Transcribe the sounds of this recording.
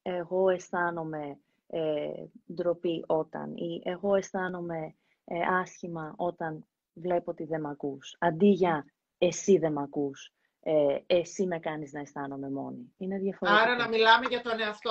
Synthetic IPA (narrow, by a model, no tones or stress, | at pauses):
e̞ɣo̞e̞sθɐno̞me̞ | ed̪ɾopiʔo̞t̪ɐ̰niʔe̞ɣo̞e̞sθɐno̞me̞ | ɐsçimɐʔo̞t̪ɐn | vle̞pot̪iðe̞mɐkusɐnd̪iʝɐ | e̞siðe̞mɐkus | eesime̞kɐniznɐe̞sθɐno̞me̞mo̞niine̞ðjɐfoɾaɾɐnɐmilɐmeʝɐt̪o̞neɐft̪o